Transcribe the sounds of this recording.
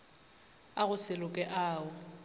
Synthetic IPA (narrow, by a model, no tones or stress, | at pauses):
aɣʊsɪlʊkʼɛʔaːʊ